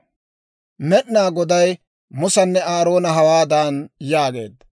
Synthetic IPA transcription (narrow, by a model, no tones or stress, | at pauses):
mɛʔnaːɡɔd̪ɐj | mʊsɐnːɛaːɾo̞ːnɐɦɐwaːd̪aːnjaːɡe̞̰ːd̪ːɐ